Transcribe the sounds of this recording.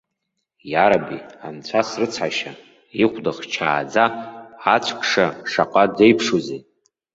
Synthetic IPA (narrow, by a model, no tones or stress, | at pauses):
jaɾabiant͡ɕʷʰasrɨt͡sʰħaʃa | iχʷdaχt͡ʃʰa̰ːd͡zaat͡ʃʷʰkʰʼʂaʂaqʼadejpʰʂoze